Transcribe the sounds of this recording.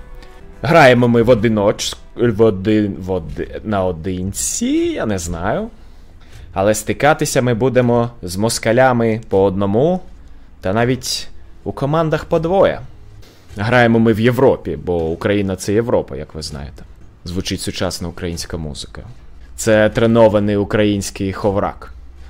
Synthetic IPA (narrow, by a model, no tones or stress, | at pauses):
ɦɾɑjemɔmɪʋɔd̪ɪnɔt͡ʃ | ʋɔd̪ɪɔd̪nɐɔd̪ɪnʲt͡sʲijanɛznɑjʊ | ɐlˠɛst̪ɪkɑt̪ɪsʲɐmɪbud̪emɔzmɔskɐlʲamɪpɔɔd̪̚nɔmu | t̪ɐnɑʋʲitʲukɔmɑnd̪ɐxpɔd̪ʋɔjɛ̰ | ɦɾɑjemɔmɪwje̞ʋɾɔpʲibɔʊkɾɐjinɐt̪sɛjeʋɾɔpɐ̰jɐkʋɪznɑ̰jet̪ɛ̥ | zʋʊt͡ʃɪtʲsʊt͡ʃɑsnɐʊkɾɐjinʲsʲkɐmṵzɪkɐ | t̪sɛt̪ɾenɔʋɐnɪjʊkɾɐjinʲsʲkɪjxɔʋɾɑ̰k